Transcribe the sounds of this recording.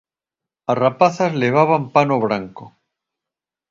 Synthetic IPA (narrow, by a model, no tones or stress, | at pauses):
arapaθazleβ̞aβampanoβɾaŋko